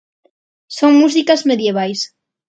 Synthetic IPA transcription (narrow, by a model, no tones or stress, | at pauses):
soŋmus̬ikazmeðjeβ̞ajs